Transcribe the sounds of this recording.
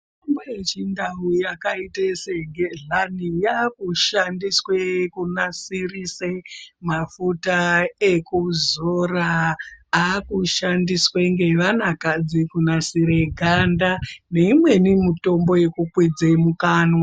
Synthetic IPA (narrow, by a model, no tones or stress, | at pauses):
tombojet͡ʃindaujakaiteseŋɡeɮanijakuʃandiswekunasirisemafutaekuzoraakuʃandisweŋɡe̞ʋanakad͡zikunasiɾeɡʱandane̞imwe̞nimuto̞mbo̞je̞kukwid͡zemukaːno